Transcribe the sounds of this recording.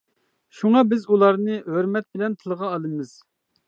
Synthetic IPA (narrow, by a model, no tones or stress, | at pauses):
ʃuŋɑbɪzulˠɑɾnɨɦøɾmɛt̪̚bɪlɛnt̪ʰɨlˠʁɑːlˠɨmɨz̥